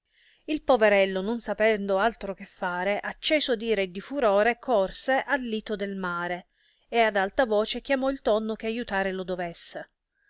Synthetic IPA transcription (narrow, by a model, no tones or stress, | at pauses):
ilpoveɾɛlːononsapɛnd̪oalt̪ɾok̟efːaːɾeʔat͡ʃːɛːsod̪iːɾed̪ifuɾoːɾekʰɔrseʔalːiːt̪od̪elmaːɾe | ead̪alt̪avɔːt͡ʃek̟jamɔilt̪ɔnːok̟eajut̪aːɾelod̪ovɛsːe